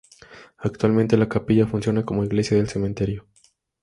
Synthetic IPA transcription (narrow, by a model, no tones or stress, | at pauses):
ak̚t̪walment̪e̞lakapiʝafunsjo̞nako̞mo̞iɣle̞sjaðelse̞ment̪e̞ɾjo